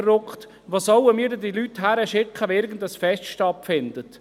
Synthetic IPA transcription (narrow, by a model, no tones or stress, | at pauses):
rɾʊkχt̪ | ʋosɔwəmiːdədilyt̪ɦæɾəʃɪkχəʋoɪɾɡən̩dəsfɛstʃtɑtfɪndət